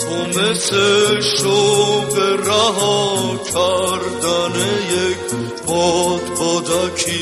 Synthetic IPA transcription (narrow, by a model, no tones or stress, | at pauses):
ɦɔmɛsɛʃɔpɛɾaɦɔt͡ʃʰaɾd̪anɛjɛkʰ | pɔt̪bɔd̪akʰi